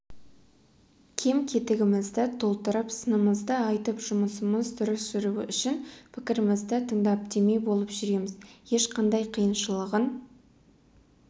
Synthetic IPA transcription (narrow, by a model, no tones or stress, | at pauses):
kʲʰe̞mkʲʰe̞t̪ɪɡʲɪmɪzd̪ɪt̪ʰo̞lˠt̪əɾəpsənəməzd̪əɑjt̪əpʒ̥ʊməsəməzd̪ʏɾɪsːʏɾuɪʔʏʃɪnpʰɪkʲɪɾɪmɪzd̪ɪt̪ʰəɴd̪ɑp̚d̪emebo̞lˠəpʒʏɾe̞mɪzje̞ʃqɑnd̪ɑjqʰijənʃəlˠəʁən